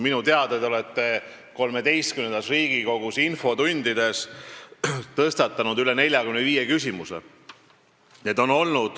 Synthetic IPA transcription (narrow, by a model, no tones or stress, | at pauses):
minut̪e̞ɑd̪ed̪o̞let̪ːˑe̞ | ko̞lme̞d̪e̞jst̪̚kynend̪ɑsriːɡ̥iko̞ɡ̥usinfo̞t̪und̪id̪e̞s | t̪ɤst̪ɑt̪ːˑɑnud̪yle̞ne̞lʲjɑkymneviːjekys̬ʲimusḛ | net̪ːo̞no̞lnud̪̥